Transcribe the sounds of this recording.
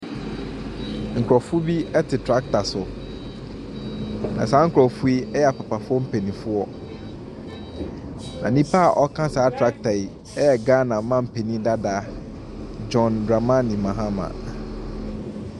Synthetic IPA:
ŋ̩˨kʰɾɔ˨fʊ˦bi˦ɛ˦tʰɪ˨tʰɾa˦k̚tʰa˨sʊ˨ | nã̰˨saː˨˦ŋ̩˦kʰʊ˨ɾɔ˨fu˦i˦ɛ˦jɛ˦˨a˨pa˨pʰa˨fʊ˦ɔ˦m̩˦pʰe˨nĩ˨fʊ˦ɔ˦ | nã˨nĩ˦pʰa˦a˨ʔɔ˦kʰã˦saː˨˦tʰɾa˦k̚tʰa˨i˨ | ɛ˦jɛ˨ɡaː˦nã˨mã˦m̩˨pʰe˨nĩ˦da˦da˦ | d͡ʒɔ̃˨nɡɾa˨mã˦nĩ˨mã˨ɦã˦mã̰˨

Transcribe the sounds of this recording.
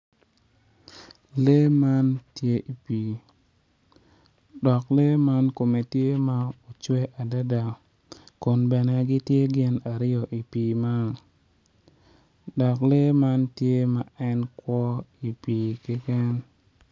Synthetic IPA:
le˦ma˦ntje˦ʔi˨pi˨ | dɔ˨kle˦ma˦nko˨me˨tje˦ma˦o˨t͡ʃwɛ˦ʔa˨da˦da˨ | ko˨nbɛ˨nɛ˨ɡɪ˦tje˦ɡɪ˦na˨ɾɪ˦jɔ˨ʔi˨pi˨ma˦ŋ | dɔ˨kle˦ma˦ntje˦ma˦ɛ˦nkwɔ˦i˨pi˨kɪ˦kɛ˦n

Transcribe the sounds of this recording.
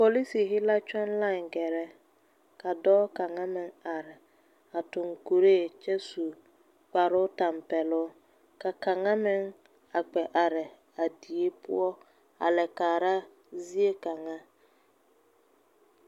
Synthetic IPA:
po˨li˦si˨ɦɪ˦la˦t͡ʃa˦nla˦˨ŋɡɛ˨ɾɛ˦ | ka˨dɔː˦ka˨ŋa˦mɪ˦ŋa˨ɾɪ˨ | a˨tʊ˨ŋku˨ɾe˦˨t͡ʃɛ˦su˨ | k͡pa˨ɾʊ˦ta˨mpɛ˨lʊ˦ | ka˨ka˨ŋa˦mɪ˦ŋ | a˨k͡pɛ˨ʔa˨ɾɪ˨ | a˨di˨e˦pʊ̰˦ɔ˦ | a̰˨lɛ˨kaː˨ɾa˦ | zi˦e˦ka˨ŋa˦

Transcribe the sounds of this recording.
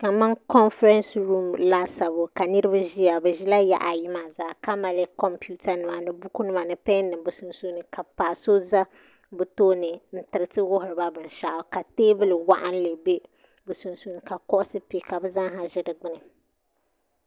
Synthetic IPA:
ka˨ma˦ŋkɔ˦nfɾɛ˦nsɾu˦mla˦sa˨bo˨ka˨nɨ˦ɾɨ˦ba˦ʒi˦ja˨bɛ˨ʒi˦la˦ja̰˨ʔa˨ji˦ma˨zaː˨ka˦ma˨lɛ˦kɔ˦mpu˦ta˨nɨ˨ma˨nɨ˨bu˦ku˦nɨ˦ma˨nɨ˨pɛ˦nːɨ˨mbɨ˨su˨nsu˦nɨ˨ka˨paː˨so˦za˦ | bɨ˨toː˦nɨ˨n̩˦tɨ˨ɾɨ˨tɨ˦wʊ˦hʊ˨ɾɨ˨ba˦bɨ˨n˨ʃa˨ʔʊ˨ka˨teː˦bɨ˦lɨ˨wa˦ʔa˦n˦lɨ˨be˦ | bɨ˨su˨nsu˦nɨ˨ka˨kɔ˦ʔʊ˦sɨ˦pi˨ka˨bɨ˦za˦ŋɦa˨ʒɪ˦dɨ˨ɡ͡bɨ˦nɨ˨

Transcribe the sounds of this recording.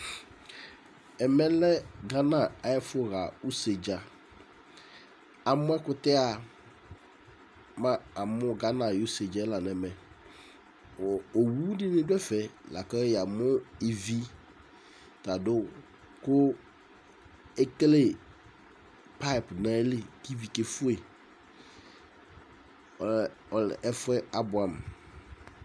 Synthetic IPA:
ɛ˨mɛ̃˦lɛ˦ɡa˦nã˨a˨jɛ˦fʊ˦ɣa˨u˦se˨d͡ʒa˨ | a˨mʊ̃˦ɛ˦kʊ˦tɛ˦a˨ | mã˨a˨mʊ̃˦ɡa˦nã˨jo˦se˨d͡ʒa˦la˨nɛ̃˨mɛ̃˨ | wɔ˨o˨wu˦dɪ˦mɪ̃˦dʊ˦ɛ˦fɛ˨la̰˨ka˦jɛ˨a˨mʊ˦e˨vi˦ | ta˨dʊ˦ | kʊ˦ | ɛ˦klɪ˦ | pʰa˦˨pnɛ̃˦lɪ˨ki˦vi˨ke˨fʊ˦e˨ | ɔ˨l̰ʔɛ˦fʊ˦ɛ˦a˦bʊ˨ã˨m

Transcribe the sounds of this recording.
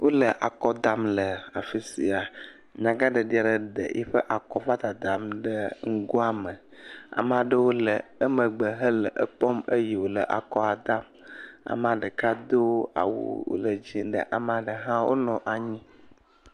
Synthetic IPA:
wo˦lə˨ʔa˨kɔ˦d̪a˨mlə˨a˨fi˦si˨a˨ | ɲã˨ɡa˦ɖə˨ɖi˦a˨ɖə˨ɖə̰˨jʔɛ̰˦ɸə˦ʔa˨kɔ˦va˦t̪a˨d̪a˨mɖə˦ŋ̩˦ɡo˦a˦mə˨ | a̰˨m˨a˨ɖə˦wo˦lə˨ə˦mə̃˨ɡ͡bə˨ɦə˦lə˨ʔə˦k͡pɔ˦mə˦ji˨wo˨lə˨ʔa̰˨kɔ˦a˨d̪a˦m | a̰˨m˦a˨ɖə˨ka˦d̪o˦a̰˨wṵ˦wo̰˨lə˨d͡ʑi˦ɖə̰˨ʔa˨m˦a˨ɖə˨ɦã˦wʔo̰˦nɔ̃˨ʔa˨ɲĩ˦

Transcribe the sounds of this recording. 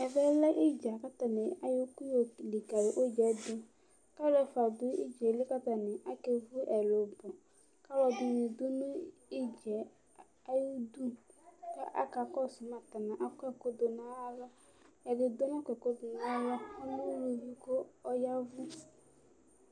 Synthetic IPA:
ɛ˨vɛ˦lɛ˦ʔɪ˦d͡ʒa˨ka˦t̪a˨nɪ˨a˨jʊ˦ku˦jo˨li˨ka˨ɾɪ˨ʔo˦d͡ʒɛ˨˦dʊ˦ | ka˦ɾɛ˦fa˨dʊ˦ɪ̰˦d͡ʒe˨lɪ˦ka˦ta˨nɪ˨ʔa˦ke˨vʊ˦ʔɛ˨lo˨bɔ˨ | ka˦lɔ˨dʊ˨ɲɪ˨dʊ˦nʊ̃˦ | i˦d͡ʒɛ˨ | a˦ju˦d̪u˦ka˦ʔa̰˦ka˨kɔ˦˨sʊ˨ma˨ta˨nã˨ʔa˨kɛ˦ko˦do˨na˦a˦la˦ | a˨dɪ˨do˦n˦a˦kʷɛ˨ko˦dʊ˨na˦la˦ʊ˦nʊ˦ɾu˨ji˦ko˦ɔ˦ja˦vʊ˦

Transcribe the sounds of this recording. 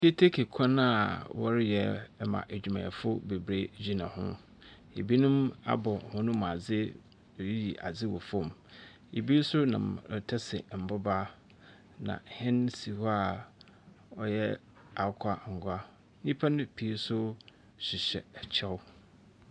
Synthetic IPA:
ke˦tʰe˦kʰe˨kʰɔ̃˦nã˦a˨wɔ˦ɾɪ˦jɛ˨˦mã̰˨ʔe˨d͡ʑᶣu˨mã̰˨fʊ˦be˨bɾe˦d͡ʑᶣi˦nã̰˨hʊ̰̃˦ | ḛ˨bi˦nʊ̃˦ma̰˦bɔ˨hʊ̃˦nʊ̃˦ma˨d͡zɪ˦˨ | ɾi˦ji˨ʔa̰˨d͡zɪ˦wɔ̰˨fɔ̃˦˨m | e˨bi˦sʊ˦nã̰˨mɾtʰɛ˦sɪ˨m̩˨bʊ˦ba˦ | nã̰˨hɪ̃˦nsi˨hɔ˦a˨ | ɔ˨jɛ˦ | a˨˦kʰa˦˨ŋ̩˨ɡʷa˦ | ɲĩ˦pʰa˦nʊ̃˦pʰi˨˦sʊ˦ | ɕi˨ɕɛ̰˨ɛ˨t͡ɕʰɛ˦w

